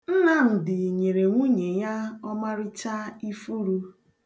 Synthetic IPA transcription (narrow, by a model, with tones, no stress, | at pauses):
n̩˦na˦˨n̩˨dɪ˨ɲe˨ɾe˨ŋʷu˦ɲe˨ja˦ɔ˦ma˦ɾɪ˦t͡ʃa˦i˦fu˦ɾu˦